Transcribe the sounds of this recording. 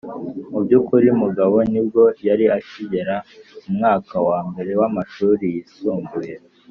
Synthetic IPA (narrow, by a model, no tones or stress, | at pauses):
mubɟukuɾimuɡaβo̞nib̚ɡo̞jaɾiaciɟe̞ɾaumŋaːkawaːmbe̞ɾe̞wamaʃuːɾijisuːmɡuje̞